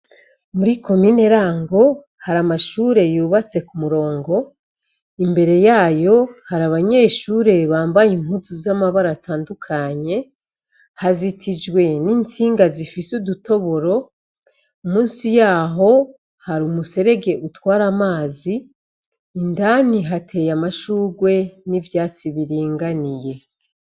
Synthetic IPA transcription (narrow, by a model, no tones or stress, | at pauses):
muɾiko̞miːne̞ɾaːŋɡo̞ | haɾamaʃuːɾe̞juːβat͡se̞kumuɾo̞ːŋɡo̞ | imbe̞ɾe̞jaːjo̞haɾaβaɲe̞ːʃuːɾe̞βaːmbajimhuzuzamaβaɾaːtʰaːndukʰaɲe̞ | hazitʰid͡ʒɡwe̞niːnt͡siːŋɡazifisuduto̞βo̞ɾo̞ | umuːnsijaːɦo̞ | haɾumuse̞ɾe̞ɡe̞ʔutwaːɾamaːziː | ndaniɦatʰe̞jamaʃuːɡwe̞nivjaːt͡siβiɾiːŋɡanije̞